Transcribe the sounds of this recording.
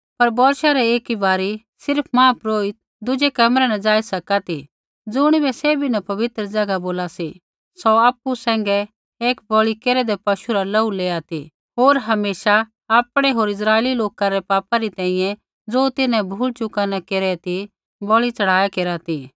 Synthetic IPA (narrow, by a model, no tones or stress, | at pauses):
pɐɾbɔːɾʃaɾɛeːkibaːɾi | sɪɾpʰmãːpɾoːit̪̚ | d̪ʊd͡ʒɛkɐmɾɛnɐ̃d͡zaːisɐkat̪i | d͡zʊɽ̃ibɛseːbʱinɐpɐʋɪt̪ɾəd͡zɐɡaboːlasi | sɔaːpːusɛ̃ːŋ̆ɡɛ | eːkbɔɭikeːɾɛd̪ɛpɐʃuɾalɐuleːat̪i | ɦoːɾɦɐmeːʃa | aːpɽ̃ɛɦoːɾɪs̬ɾaːeːliloːkaɾɛpaːpaɾit̪ɛ̃ːɦĩjɛ̃ | d͡zoːt̪ɪnɛ̃bʱuːlt͡ʃʊkanɐkeːɾɛt̪i | bɔɭit͡sɐɽ̤aːjakeːɾat̪i